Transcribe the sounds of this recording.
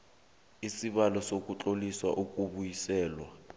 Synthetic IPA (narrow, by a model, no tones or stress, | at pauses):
isiɓalɔsok̬ʼut͡ɬʼoliswa̰ʔuk̬ʼuɓujisɛːlwa̰